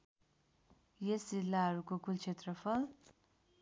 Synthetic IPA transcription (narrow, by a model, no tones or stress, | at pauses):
jesd͡zilːaɦʌɾukokult͡sʰet̪rʌpʰʌl